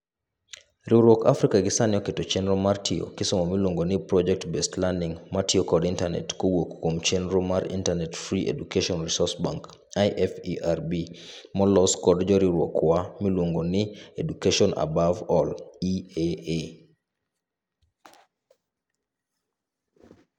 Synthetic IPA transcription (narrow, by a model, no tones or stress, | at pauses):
ɾiɾwɔka̰fɾikaɡɪsanɪɔketɔt͡ʃɛnɾɔmartʰijo̰kɪsɔmɔmilwoŋɡonɪpɾɔd͡ʒɛk̚tbɛstlandiŋmatiɔkɔdintanɛ̰tkowokkːwomt͡ʃenɾomaɾḭntanɛtfɾiʔḛdukeʃɔnɾisɔsba̰ŋk | ajʔɛfiʔarbimɔlɔskɔdd͡ʒɔɾiɾwɔ̰kwamilwoŋɡonɪedukeʃɔna̰bavɔliee